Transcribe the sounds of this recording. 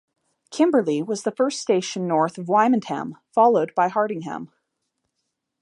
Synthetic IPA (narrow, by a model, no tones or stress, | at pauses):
kʰɪ̃mbə˞lˠiwʌzðəfɜ˞ststeɪʃɨ̃nːɔɹθʌvwãɪ̃mɨ̃nhæ̰̃mfɑlˠoʊd̚baɪhɑɹɾɪ̃ŋɦæ̰̃m